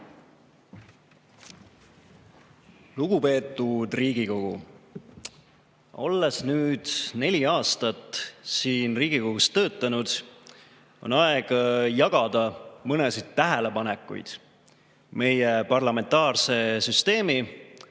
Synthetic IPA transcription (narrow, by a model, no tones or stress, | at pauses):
luɡ̥upe̞ːt̪ːˑud̪̥riːɡ̥iko̞ɡ̥ṵ | o̞lːesnyːd̪̥ne̞lʲiɑːst̪ɑt̪ːsiːnriːɡ̥iko̞ɡ̥ust̪ːɤːt̪ːˑɑnud̪̥ | o̞̰nɑeɡ̥ɑjɑɡ̥ɑd̪ɑmɤnesid̪̥̚t̪ːæɦele̞pɑnekːˑṵjd̪̥ | me̞jepɑrlɑme̞nt̪ɑːrse̞syst̪e̞ːmi